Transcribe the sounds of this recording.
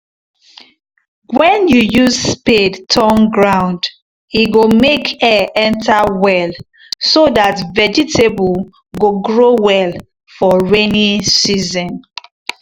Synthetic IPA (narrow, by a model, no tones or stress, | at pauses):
wɛ̃njujusspedtʰɔ̃nɡɹãʊ̃nd | iɡomekʰɛʔɛ̃ntʰawɛl | sodatvɛd͡ʒitebɔl | ɡoɡɹowɛl | fɔɹenisizɔ̃n